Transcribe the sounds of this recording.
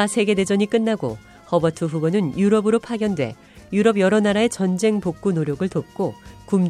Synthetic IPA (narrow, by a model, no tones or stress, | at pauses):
asʰe̞ɡe̞de̞d͡ʑʌɲik͈ɯnːaɡo̰ | hʌbʌtʰɯɸubonɯnjuɾʌbɯɾopʰaɡjʌndwe̞̰ | juɾʌbjʌɾʌnaɾae̞t͡ɕʌnd͡ʑe̞ŋpok̚k͈unoɾjʌɡɯɭtop̚k͈okum